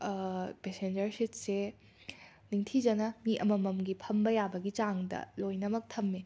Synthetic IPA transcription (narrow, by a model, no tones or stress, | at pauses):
pesend͡ʒɐɾsit̚se | niŋtʰid͡ʒɐnɐŋiʔɐmɐmɐmɡipʰɐmbɐjabɐɡit͡ʃaŋdɐ̰lojnɐmɐk̚tʰɐmːe